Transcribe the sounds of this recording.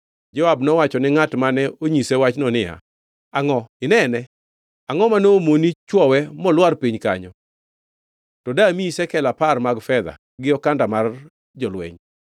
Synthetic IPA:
d͡ʒɔwabnɔwat͡ʃɔnɪŋatmanɛoɲisɛwat͡ʃnɔnɪja̰ | aŋɔɪnɛnɛ | aŋɔmanoːmonit͡ʃwɔwɛmɔlwarpiɲka̰ɲɔ | tɔdamiisɛkɛlaparmaɡfɛd̪a̰ | ɡɪɔkandamar | d͡ʒɔlwɛ̰ɲ

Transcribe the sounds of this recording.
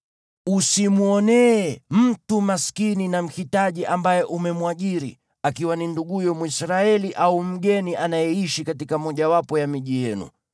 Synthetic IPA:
usimuɔnɛɛm̩tumaskininam̩hitaʄiʔambajɛʔumɛmwaʄiɾḭ | akiwaninduɠujɔmuisɾaɛliʔaum̩ɡɛniʔanajɛiʃikatikamɔʄawapɔjamiʄijɛnṵ

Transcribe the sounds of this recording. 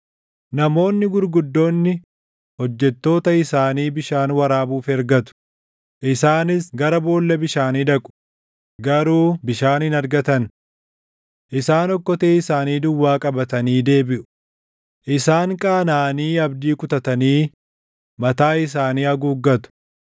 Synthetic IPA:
nɐmo̞ːnːɪɡʊɾɡʊd̪ːo̞ːnːɪ | hɔd͡ʒːɛt̪ːo̞ːt̪ɐɪsaːniːbɪʃaːnwɐɾaːbuːfɛɾɡɐt̪ʊ̥ | ʔɪsaːnɪsɡɐɾɐbo̞ːlːɐbɪʃaːniːd̪ɐkʼʊ̥ | ɡɐɾuːbɪʃaːnɪnɐɾɡɐt̪ɐn | ʔɪsaːnɔkːɔt̪eːɪsaːniːd̪ʊwːaːkʼɐbɐt̪ɐniːd̪e̞ːbɪʔʊ̥ | ʔɪsaːŋkʼaːnaːniːɐbd̪iːkʊt̪ɐt̪ɐniː | mɐt̪aːɪs̬aːniːɐɡuːɡːɐt̪ʊ̥

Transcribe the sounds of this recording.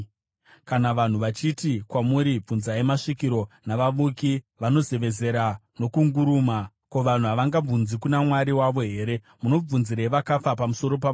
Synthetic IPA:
kanaʋan̤uʋat͡ʃitikwamuɾib͡vunzaemaʂikiɾo̞naʋaʋuki | ʋano̞ze̞ʋe̞ze̞ɾano̞kuŋɡuɾuːma | ko̞ʋan̤uɦaʋaŋɡab͡vunzikunamwaɾiwaʋo̞ɦe̞ːɾe̞ | muno̞b͡vunziɾeʋakafapamuso̞ɾo̞p̬a

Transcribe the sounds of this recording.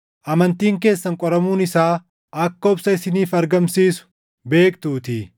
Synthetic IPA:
ʔɐmɐnt̪iːŋke̞ːsːɐŋkʼɔɾɐmuːnɪsaː | ɐkːɐɔbsɐɪsɪniːfɐɾɡɐmsiːsʊ̥ | be̞ːkt̪uːt̪ɪ

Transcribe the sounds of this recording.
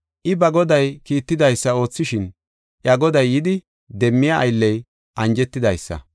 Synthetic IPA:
ʔɪbɐɡɔd̪ɐjkiːt̪ːɪd̪ɐjsːɐo̞ːt͡sːɪʃɪn | ʔjɐɡɔd̪ɐjːɪd̪ɪ | d̪ɛmːɪjɐɐ̰jlːɛj | ʔɐnd͡ʒɛt̪ːɪd̪ɐjsːɐ̰

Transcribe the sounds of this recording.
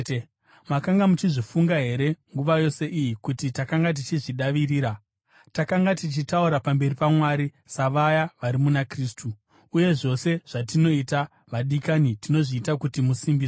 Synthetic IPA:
makaŋɡamut͡ʃiʐifuŋɡaɦe̞ɾe̞ŋɡuʋajo̞se̞ʔijikutitakaŋɡat̬it͡ʃiʐiɗaʋiriːɾa | takaŋɡatit͡ʃitauɾapambe̞ɾipamwaɾi | saʋajaʋaɾimunakristʰuː | je̞ʐo̞se̞ʐ̥atino̞ita | ʋaɗikanitino̞ʐiːtakutimusimbiːso

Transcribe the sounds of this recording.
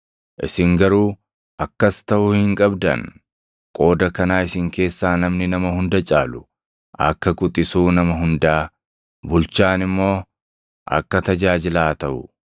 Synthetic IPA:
ʔɪ̰sɪŋɡɐɾuː | ʔɐkːɐst̪ɐʔʊhɪŋkʼɐbd̪ɐ̰n | kʼo̞ːd̪ɐkɐnaːɪsɪŋke̞ːsːaːnɐmnɪnɐmɐhʊnd̪ɐt͡ʃʼaːlʊ | ʔɐ̰kːɐkʼʊt̪ʼːɪsuːnɐmɐɦʊnd̪aː | bʊlt͡ʃaːnɪmːo̞ː | ʔɐ̰kːɐt̪ɐd͡ʒaːd͡ʒɪlaːt̪ɐʔʊ

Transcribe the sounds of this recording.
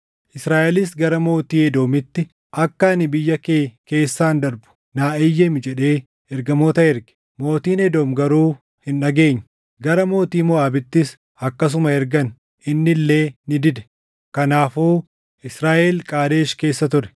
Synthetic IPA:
ʔɪsɾaːʔɛlɪs̬ɡɐɾɐmo̞ːt̪iːɛd̪o̞ːmɪt̪ːɪ | ʔɐkːɐnɪbɪjːɐkeːke̞ːsːaːnd̪ɐɾbʊ̥ | naːʔɪjːɛmɪd͡ʒɛᶑe̞ː | ɛɾɡɐmoːt̪ɐɛɾɡɛ̥ | mo̞ːt̪iːnɛd̪oːmɡɐɾuː | hɪnᶑɐɡe̞ːɲːɐ̥ | ɡɐɾɐmo̞ːt̪iːmɔaːbɪt̪ːɪs | ɐkːɐs̬ʊmɐɛɾɡɐn | ʔɪnːɪlːe̞ːnɪd̪ɪd̪ɛ̥ | kɐnaːfoː | ʔɪsɾaːʔɛlkʼaːd̪e̞ːʃke̞ːsːɐt̪ʊɾɛ̥

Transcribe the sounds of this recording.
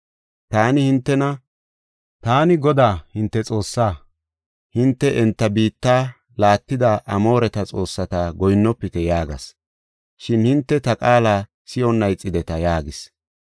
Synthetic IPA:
t̪aːnɪhɪnt̪ːɛnɐ | t̪aːnɪɡɔd̪aːhɪnt̪ːɛt͡sʼo̞ːsːaː | hɪnt̪ːɛʔɛnt̪ːɐbiːt̪ːaː | laːt̪ːɪd̪aʔɐmo̞ːɾɛt̪ɐt͡sʼo̞ːsːɐt̪aɡɔjnːɔpːɪt̪ɛjaːɡɐ̰s | ʃɪnhɪnt̪ːɛt̪ɐkʼaːlaː | sɪɔnːɐjt͡sʼːɪd̪ɛt̪ɐjaːɡɪs

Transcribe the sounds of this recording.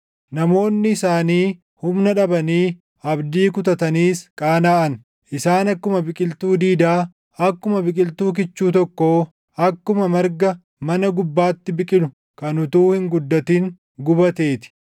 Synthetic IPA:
nɐmo̞ːnːɪɪsaːniː | hʊmnɐᶑɐbɐniː | ɐbd̪iːkʊt̪ɐt̪ɐniːskʼaːnaːʔɐn | ʔɪsaːnɐkːʊmɐbɪkʼɪlt̪uːd̪iːd̪aː | ɐkːʊmɐbɪkʼɪlt̪uːk̬ɪt͡ʃːuːt̪ɔkːoː | ɐkːʊmɐmɐɾɡɐ | mɐnɐɡʊbːaːt̪ːɪbɪkʼɪnʊ | kɐnʊt̪uːhɪŋɡʊd̪ːɐt̪iŋ | ɡʊbɐt̪e̞ːt̪ɪ̥

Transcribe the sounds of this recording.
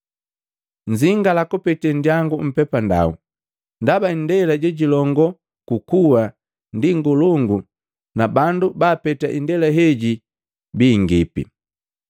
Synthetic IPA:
ɲziŋɡalakɔpɛtɛndjaŋɡum̩pɛpanda̰u | ndabandɛlaɟɛɟilɔŋɡɔ | kukuwa | ndiŋɡuluŋɡu | nabandubaːpɛtaʔindɛlaɦɛɟi | biːŋɡipḭ

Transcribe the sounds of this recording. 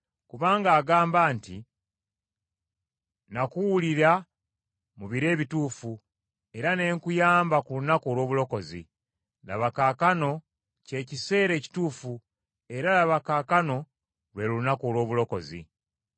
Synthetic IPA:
kuβaːŋɡaːɡaːmbaːnti | nakuwuliɾa | muβiɾe̞ːβituːfu | e̞ɾane̞ːŋkujaːmbakulunakolwo̞ːβulo̞ko̞zḭ | la̰βakaːkano̞ | ce̞ːcise̞ːɾe̞ːci̥tuːfu | e̞ɾalaβakaːkano̞ | lwe̞luunakoːlwo̞ːβulo̞ko̞zḭ

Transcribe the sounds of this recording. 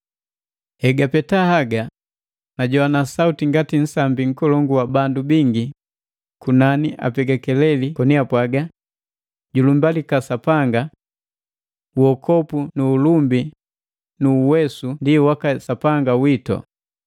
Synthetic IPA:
hɛɡapɛtahaɡa | naɟɔwanasautiŋɡatin̩sambiŋ̩kɔlɔŋɡuwabandubiŋɡi | kunaniʔa̰pɛɡakɛlɛlikɔniapwaɡa | ɟulumbalikasapaŋɡa | wɔkʰɔpunuːlumbi | nuːwɛsundiwakasapaŋɡawitɔ̰

